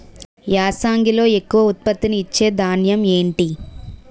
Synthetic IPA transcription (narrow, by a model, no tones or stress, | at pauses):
jaːsaːŋɡilo̞ːe̞kːuʋɐut̪̚pɐt̪ːiniːt͡ʃːe̞ːd̪ʱaːnjɐme̞ːɳʈi